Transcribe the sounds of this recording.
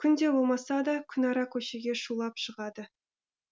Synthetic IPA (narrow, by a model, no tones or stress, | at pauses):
kʲʰʏnd̪e̞bo̞lˠmɑsɑd̪ɑkʲʰʏnɑɾɑkʲʰɵʃe̞ɡʲe̞ʃulˠɑpʃəʁɑd̪ə